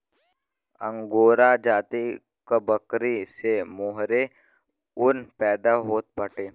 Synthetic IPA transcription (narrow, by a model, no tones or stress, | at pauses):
ə̰̃ŋɡoːɾad͡ʒaːt̪i | kəbəkɾisemoːɦɾe | ʊnpɛːd̪aɦoːt̪̚bəʈeː